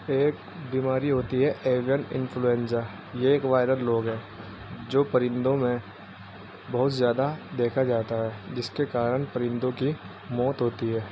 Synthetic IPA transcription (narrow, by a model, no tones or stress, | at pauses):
eːk | biːmaːɾiɦoːt̪iɦɛʔeːʋjənɪ̰̃nfʰluɛ̃nsa | jeeːkʋaːɪɾəlːoːɡɦɛ̃ː | d͡ʒoːpɐɾɪ̃nd̪õmẽ | bɐɦʊt̪zjaːd̪ad̪eːkʰad͡ʒaːt̪aɦɛːd͡ʒɪskekaːɾəɽpɐɾɪ̃nd̪õki | mɔːt̪ɦoːt̪iɦɛː